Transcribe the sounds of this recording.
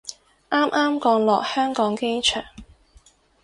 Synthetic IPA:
ʔaː˥mʔaː˥mkɔː˧ŋlɔː˨k̚hœː˥ŋkɔː˨˥ŋke˥jt͡ʃʰœ̰ː˨˩ŋ

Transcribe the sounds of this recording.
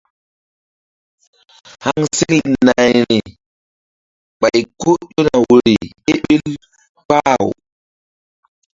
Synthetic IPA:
ha˦ŋse˦ki˦˨na˨jni˨ | ɓa˨jko˦ɗo˦na˨wu˨ɾi˨ | e˦ɓi˦l | k͡pa˦˨w̰

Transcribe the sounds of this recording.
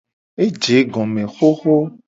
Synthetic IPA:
e˦d͡ʒe˨˦ɡɔ̃˨mẽ˨xo˦xo˦

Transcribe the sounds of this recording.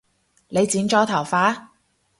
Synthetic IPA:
le˨˧jt͡siː˨˥nt͡ʃɔː˧˥t̪ʰɐ˨˩wfaː˨˥

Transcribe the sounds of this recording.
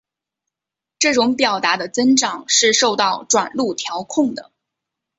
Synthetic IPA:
ʈ͡ʂɤ˥˩ʈ͡ʂʊ˧˥ŋpjɑ˨˩ʊt̪a˧˥d̪ə˧t͡sə˥nʈ͡ʂɑ˨˩ŋʂɻ̩˥˧ʂo˥˧ʊt̪ɑ˥˩ʊʈ͡ʂwa̰˨˩nlu˥˩t̪ʰjɑ˧˥ʊkʰʊ˥˩ŋd̪ə̰˩

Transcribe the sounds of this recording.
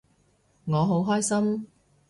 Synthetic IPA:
ŋɔː˨˧ɦo˨˥wɦɔː˥jsɐ˥m

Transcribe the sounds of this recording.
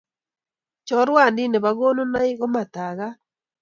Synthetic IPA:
t͡ʃɔ˦ɾwa˦˨ndi˦ne˨βa˨ɣo˦no˦na˦i˦ɣo˦ma˨ta˨ɣa˦

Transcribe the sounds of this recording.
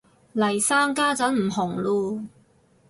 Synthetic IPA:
lɐ˨˩jsaː˥ŋkaː˥t͡sɐ˨˥nm̩˨˩ɦʊ˨˩ŋluː˧

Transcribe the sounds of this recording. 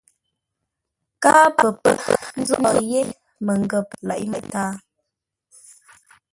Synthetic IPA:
kaː˦pə˨pə˨n̩˦zu˦nɔ˨ʔje˦ | mə˨ŋ˨ɡə˨p̚la̰˨ʔmə˨ʔtaː˦

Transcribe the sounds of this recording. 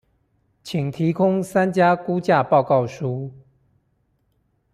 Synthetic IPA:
t͡ɕʰi˨˩ŋt̪ʰi˨˦kʰʊ˦ŋsa˦nt͡ɕja˦˥ku˦t͡ɕja˥˧pɑ˥˧ʊkɑ˥˨ʊʂu˦

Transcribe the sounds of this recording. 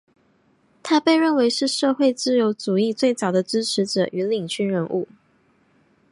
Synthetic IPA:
t̪ʰa˥pe˥˧ɪɻə˥˩nwe˧˥ɪʂɻ̩˥˧ʂɤ˥˧xwe˥˧ɪt͡sɹ̩˥˩jo˧˥ʊt͡su˨˩i˥˧t͡swe˥˩ɪt͡sɑ˨˩d̪ə˦ʈ͡ʂɻ̩˥ʈ͡ʂʰɻ̩˧˥ʈ͡ʂɤ̰˨˩ʔy˧˥li˨˩ŋt͡ɕʰy˥nɻə˧˥nʔṵ˥˩

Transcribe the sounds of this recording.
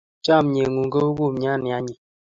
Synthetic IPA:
t͡ʃa˦˨m˨ɲe˨ŋu˨ŋɡə˦u˦ɡu˦˨m˨ɲ˦a˦˨ni˨a˦ɲi˨

